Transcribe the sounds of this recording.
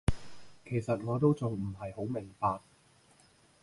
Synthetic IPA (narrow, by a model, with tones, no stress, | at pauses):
kʰe˨˩jsɐ˨t̚ŋɔː˨˧t̪̬o˥wt͡sʊ˨ŋm̩˨˩ɦɐ˨jho˨˥wmɪ˨˩ŋpaː˧k̚